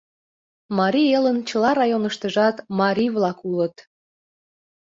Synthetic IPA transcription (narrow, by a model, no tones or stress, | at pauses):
mɑɾʲielənt͡ɕə̆lɑɾɑjonəʃt̪əʒɑt̪mɑɾʲiβlɑkulət̪